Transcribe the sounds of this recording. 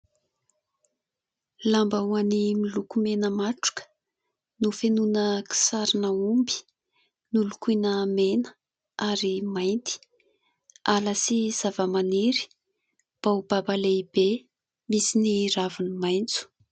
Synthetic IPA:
lambawanimilukumenəmaʈ͡ʂu̥kə̥ | nufenunəki̥saɾinəumbi̥ | nulukinəmenə̥ | aɾimajnt̪i̥ | aləsiz̥avəmaniɾi̥ | b̥awb̥abaleib̥e | misiniɾavinimajnt͡su̥

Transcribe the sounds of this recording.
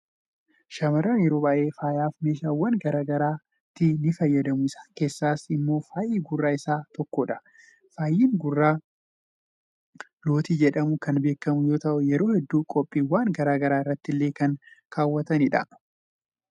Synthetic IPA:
ʃɐmɐɾaːnjɛɾo̞ːbaːʔe̞ːfaːjaːfme̞ːʃaːwːɐnɡɐɾaːɡɐɾaː | t̪ːɪnɪfɐjːɐd̪ɐmʊɪsḁːke̞ːsːaːsɪmːo̞ːfaːjiːɡʊrːaːɪsaːt̪ɔkːoᶑɐ̥ | faːjːiːŋɡʊrːaː | lo̞ːt̪iːd͡ʒɛᶑɐmʊkɐnbe̞ːkːɐmʊjo̞ːt̪ɐʔʊjɛɾo̞ːhɛd̪ːuːkʼɔpʼːiːwaːŋɡɐɾaːɡɐɾaːɪrːɐt̪ːɪlːe̞ːkɐnkʰaːwːɐt̪ɐnɪᶑɐ̰

